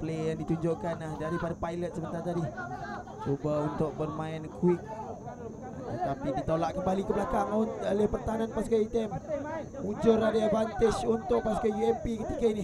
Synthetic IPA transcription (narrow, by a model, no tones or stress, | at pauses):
plejaŋdit̪uɲd͡ʒoʔkanahdaɾipadapajlət̪̚səbət̪art̪adi | t͡ʃubaunt̪ʊk̚bərmaɪnkwɪk̚ | t̪apidit̪olaʔkəmbalikəblakaŋʊnalɪpərt̪aɦananpaskait̪ɛm | ud͡ʒʊɾadaabant̪ɪt͡ʃunt̪ʊk̚paskajiɛmpikət̪ikaini